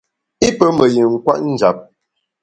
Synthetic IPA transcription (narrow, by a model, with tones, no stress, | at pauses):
i˦pə˦mə˨ji˨ŋ̩˨kwa̰˦ʔn̩˦d͡ʒa˨˦p̚